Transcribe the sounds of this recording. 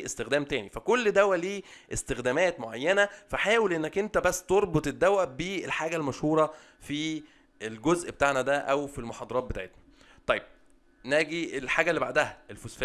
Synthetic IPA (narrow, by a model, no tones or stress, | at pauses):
est̪exd̪æːmt̪æːnifækolːd̪æwæliːʔest̪exd̪æːmæːt̪moʕajːænæfæħaːwelʔenːækʔent̪æbæsːt̪oɾˤbot̪ˤed̪ːæwæbiːelħaːɡælmæʃhuːɾˤɑ | fi | elɡozʔbet̪aʕnæd̪æʔæwfilmoħɑd̪ˤɑɾɑːt̪̚bet̪aʕet̪næ̥ | t̪ˤɑjːeb̥̚ | næːɡielħaːɡælːiba̰ʕd̪æhæelfosf